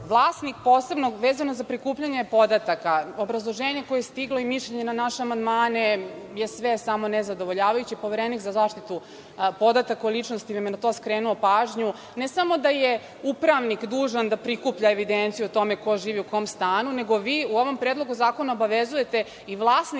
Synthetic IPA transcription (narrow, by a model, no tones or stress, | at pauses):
ʋlˠaːsnik̚po̞ːse̞bnoʋe̞ːzanozapɾikuːpʎaɲepo̞d̪at̪akaobɾazlˠo̞ʒeːɲe̞ko̞jejest̪iɡlo̞imiʃʎeɲe̞nanaʃeamand̪maːneje̞sʋe̞samo̞nezad̪o̞ʋoʎaːʋajut͡ɕipo̞ʋeɾenikzazaːʃt̪it̪u | po̞d̪at̪akolˠit͡ʂnost̪iʋamjenat̪o̞skɾeːnuopaːʒɲu | nesamo̞d̪aje | upɾaʋnikd̪uːʒand̪apɾikupʎaeʋid̪ent̪sijut̪o̞meko̞ʒiːʋiuko̞mst̪aːnune̞ɡo̞ʋiːuoʋo̞mpɾed̪lˠo̞ɡuzaːko̞naobaʋezuje̞t̪e̞ | iʋlˠaːsni